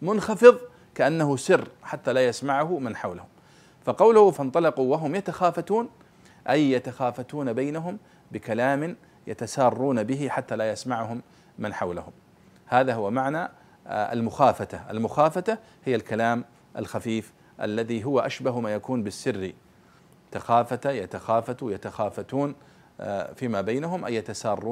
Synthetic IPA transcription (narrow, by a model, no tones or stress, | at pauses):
mʊnxɑfɨðˤ | kaʔanːahʊsɪrːħat̪ːalaːjasmaʕʊhʊmanħawlahʊm | faqɑwlʊhʊfɑnt̪ˤɑlɑquwaɦʊmjat̪axaːfat̪uːn | ʔajːat̪axaːfat̪uːnabajnaɦʊm | bɪkalaːmɪn | ja̰t̪asɑːrˤːuːnabɪɪħat̪ːalaːjasmaʕʊhʊmː | ɪnħawla̰hʊm | haːðahʊwamaʕna | a̰lmʊxaːfat̪aʔa̰lmʊxaːfat̪a | hɪjːalkalaːm | ʔa̰lxafiːf | ʔa̰lːaðiɦʊwaʔaʃbaɦmaːjakuːnbɪsːɪrːi | t̪axaːfat̪ajat̪axaːfat̪jat̪axaːfat̪uːn | fiːmabajnaɦʊmʔajjat̪asɑːrˤːuː